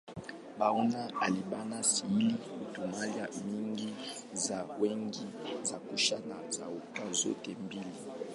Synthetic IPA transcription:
baunaalibanasiilitumaljamiŋɡi | zawɛŋɡizakuʃanaza̰utazo̰tembili

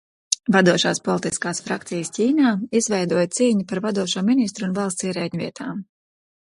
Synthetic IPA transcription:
vad̪uɔʃaːspɔlˠt̪iskaːsfɾakt̪sijəscʲiːnaːizvɛjd̪uɔjt̪siːɲipaɾvad̪uɔʃuːminist̪ɾunvalˠst̪siɛɾɛːɲʲviɛt̪ʰaːm

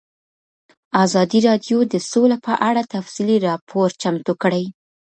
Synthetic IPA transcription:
ɑzɑd̪iɾɑd̪jod̪əsolapəʔaɽat̪afsiliɾɑpʰoɾt͡ʃamt̪ukɽəj

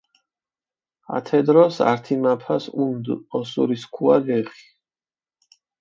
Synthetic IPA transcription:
a̰t̪ʰɛd̪ɾɔsa̰ɾt̪ʰimapʰasund̪ɔsṵɾiskʰuaɡɛχi̥

